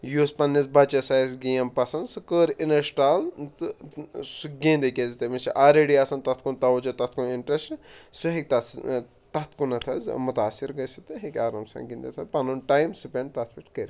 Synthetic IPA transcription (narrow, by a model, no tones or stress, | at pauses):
juːspɐnːisbɐt͡ʃɐsaːsɡijɐmpɐsɐnd̪sɨkəːɾinɐʃʈaːl | suɡĩːnd̪ekʲezt̪emit͡ʃʰḭʔaːɾeɽiaːsɐnt̪ɐt̪̚ʰkunt̪ɐʋt͡ʃɐt̪ɐt̪ʰkuniɳʈɾessɨɦik̚ʲt̪ɐs | t̪ɐt̪ʰkunɐt̪ʰɐzmut̪aːsiɾɡɐjsit̪ɨɦikʲaːɾɐmsã̰ŋɡĩnd̪ɐt̪ʰɐpɐnunʈaːjmsɨpʲẽɳɖt̪ɐt̪ʰbiʈkəɾ